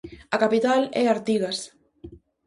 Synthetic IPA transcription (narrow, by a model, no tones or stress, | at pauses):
akapit̪alɛ̰aɾt̪iɣɐs